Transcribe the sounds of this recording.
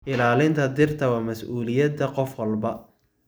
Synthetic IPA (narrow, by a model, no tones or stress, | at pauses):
ʔɪlaːlɪnt̪ʰɐd̪ɪrt̪ʰɐwɑːmɐsʔuːlɪjɐd̪ɐqɔfwɐlbɐ